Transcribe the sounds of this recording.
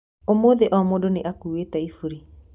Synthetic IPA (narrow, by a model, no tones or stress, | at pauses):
omoːðeʔɔmoːdoneʔakuːetɛifuɾi